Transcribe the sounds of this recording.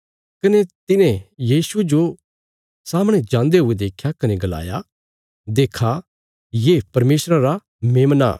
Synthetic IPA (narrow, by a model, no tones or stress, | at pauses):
kɐnet̪ɪnẽjiːsud͡ʒo | saːmɽ̃ed͡ʒãːnd̪eɦʊed̪eːkʰːjakɐneɡɐla̰ːja̰ | d̪eːkʰa | jeːpɐɾmeːsɾaɾa | mẽːmna̰